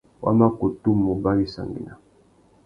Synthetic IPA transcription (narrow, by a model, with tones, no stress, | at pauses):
wa̰˦ma˦ko˨tu˦mːo˨ba˦li˦sa̰˨ŋɡḭ˨na˨